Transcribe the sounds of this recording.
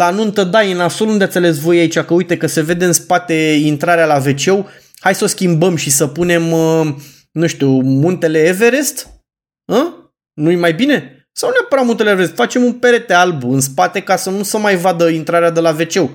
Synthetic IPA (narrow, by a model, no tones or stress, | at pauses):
lanunt̪əd̪ajɨnasolund̪eat̪sʲale̞s̬vo̞jait͡ʃakəujt̪e̞kəse̞ve̞d̪eɨnspat̪e̞int̪ɾaɾealave̞t͡ʃe̞w | hajsəoskʲimbəmʃisəpune̞m | nuʃt̪umunt̪e̞le̞ːve̞ɾe̞st̪ | ə | nujmajbine̞ | sawneapəɾamunt̪eleveɾest̪fat͡ʃe̞mumpe̞ɾe̞t̪e̞albuɨns̬pat̪e̞kasənusəmajvad̪əint̪ɾaɾead̪elave̞t͡ʃe̞w